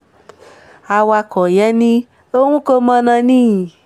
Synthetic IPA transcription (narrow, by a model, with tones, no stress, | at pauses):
a˧wa˧kɔ˨jɛ˦nĩ˦ | o˦wũ˦ko˦mã˦nã˧nĩ˦˨